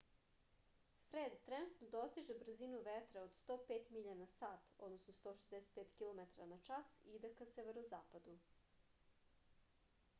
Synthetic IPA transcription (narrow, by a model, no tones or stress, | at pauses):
fɾeːd̪t̪ɾenut̪nod̪ost̪iʒebr̩zinuʋet̪ɾeod̪st̪oːpeːt̪miʎanasaːt̪o̰d̪nosnost̪oʃezd̪ɛse̥t̪̚peːt̪kʲilˠomet̪aɾanat͡ʃasid̪ekaseʋeɾozaːpad̪u